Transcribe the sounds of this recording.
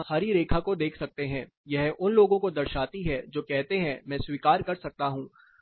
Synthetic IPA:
saːɾiɾeːkʰakod̪eːkʰsɐk̚t̪eɦɛ̃ː | jɛɦʔʊnloːɡõkod̪ɐɾʃaːt̪iɦɛd͡ʒoːkɛɦt̪eɦɛ̃mɛ̃ːswiːkaːɾkɐɾsɐk̚t̪aɦũː

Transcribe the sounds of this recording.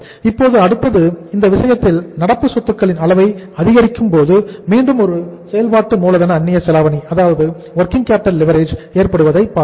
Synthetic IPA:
ɪpːoːðɯɐɽɯt̪ːɐðɯɪnd̪ɐʋɪsɐjɐt̪ːɪlnɐɽɐpːɯsɔt̪ːɯkːɐɭɪnɐlɐʋɐɪɐðɪɣɐɾɪkːɯmpoːðɯmiːnd̪ɯmɔɾɯsɛjɐlpaːʈːɯmuːlɐðɐnɐːnːɪjɐsɛlaːʋɐniɐðaːʋɐðɯ | ʋɐɾkɪŋkaːp̚ʈːɐllɪʋɐɾeːd͡ʒeːɾpɐɽɯʋɐðɐɪpːaː

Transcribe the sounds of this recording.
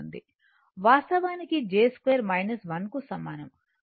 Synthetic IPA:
nd̪i | ʋaːst̪ɐʋaːnikid͡ʒeːskʋeːɾmɐjnɐsʋɐnkusɐmːaːnɐm

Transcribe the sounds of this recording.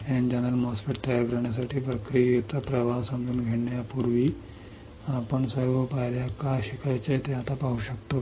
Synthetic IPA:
ɛ̃nd͡ʑənəlmɔspeʈt̪əjaɾkəɾəɳjas̬aʈʰiːpɾəkɾijet̪apɾəʋaɦsəmɡuːnɡʱeɽɳjapuɾʋiː | apəɳsəɾʋəpaɾjakaɕikʰajt͡ɕat̪eat̪apaɦuɕəkt̪o

